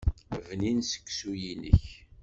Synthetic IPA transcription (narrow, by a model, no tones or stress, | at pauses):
vninsə̥kːsujinə̰ç